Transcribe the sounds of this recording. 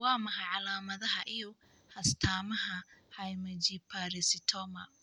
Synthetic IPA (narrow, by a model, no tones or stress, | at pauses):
wɑːmɐɦɐjʕɑlaːmɐðɐɦɐʔijɔ | hɐst̪ʰaːmɐɦɐhɐjmɐd͡ʒipʰaɾɪsɪt̪ʰɔmɐ̰